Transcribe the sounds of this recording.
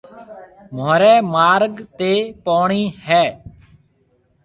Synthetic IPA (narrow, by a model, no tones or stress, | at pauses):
moːɾɛːmaːɾɡt̪eːpaːɳiːhɛː